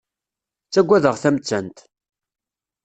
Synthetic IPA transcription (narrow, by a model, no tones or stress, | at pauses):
t͡sːæɡʷːæðəʁθæmt͡sːænt̪